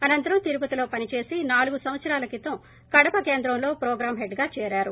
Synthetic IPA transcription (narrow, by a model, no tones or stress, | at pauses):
ɐnɐnt̪ɐɾɐmt̪iɾupɐt̪ilo̞ːpɐnit͡ʃe̞ːsinaːluɡusɐʋ̃ɐt̪sɐɾaːlɐkit̪ɐm | kɐɽɐpɐke̞ːnd̪ɾɐmlo̞ːpɾɔːɡɾaːmɦeɖɡaːt͡ʃɛːɾaːɾu